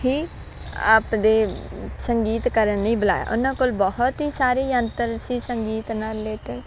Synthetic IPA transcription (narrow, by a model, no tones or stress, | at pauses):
hiː | a̰ːpd̪eːsəŋɡiːt̪kəɾənnĩːbəla̰ːja̰ːʔʊ̰nãːkolbɔɦʊt̪ɦiːsaːɾiːənt̪əɾsiːsəŋɡiːt̪naːɾɪleːʈəɾ